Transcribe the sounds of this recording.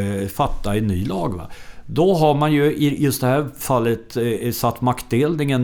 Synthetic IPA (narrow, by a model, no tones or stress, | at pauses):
fat̪ːaɛnːyːlɑːɡva̰d̪ɔɦaɾmanjɵɪjɵst̪d̪ɛhæɾfalːət̪sat̪ːmakt̪̚d̪eːlnɪŋən